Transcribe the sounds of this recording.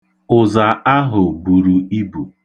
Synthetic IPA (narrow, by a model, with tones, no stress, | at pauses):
ʊ˨za˨a˦ɦʊ˨bu˨ɾu˨i˦bu˨